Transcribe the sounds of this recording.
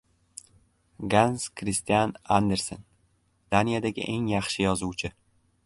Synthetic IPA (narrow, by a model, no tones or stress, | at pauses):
ɡanskʰɾist̪ijanand̪eɾson | d̪̥anijad̪aɡʲɪ̰ʔe̞ŋjɑχʃɪjɒzuwt͡ʃʰɪ